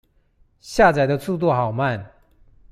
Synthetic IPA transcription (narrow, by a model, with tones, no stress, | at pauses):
ɕja˥˩t͡sa˨˩ɪd̪ə˨˧t͡sʰu˥˧t̪̬u˥˩xɑ˨˩ʊma˥˨n